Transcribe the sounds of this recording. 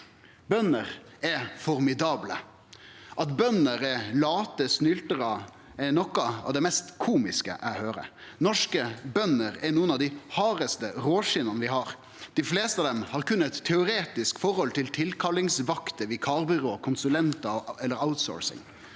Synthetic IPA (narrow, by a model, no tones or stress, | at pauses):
bœnəɾ | ɛfɔɾmɪd̪ɑːblə | ʔɑt̪bœnəɾɛlɑːt̪əsnʏlt̪əɾɑ | ɛnɔkːɑɑ̰ʋd̪ɛmɛst̪kʰuːmɪskə̰ʔæ̰ɪhøːɾə̰nɔʂkəbœnəɾɛɾnuːənɑʋd̪ɪhɑːɾəst̪əɾoːʂɪnɑnəʋɪhɑɾ | d̪̥ɪfleːst̪əɑʋd̪ɛmhɑɾkʉnːəɛt̪ʰːɛʊɾeːt̪ɪskfɔɾhɔlt̪ʰɪlt̪ʰɪlkʰɑlːɪŋsʋɑkt̪əʋɪkʰɑːɾbʏɾoːkʰʊnsʉlɛnt̪ɑɛlːəɾaʊt̪so̰ːɹsɪ̰ŋ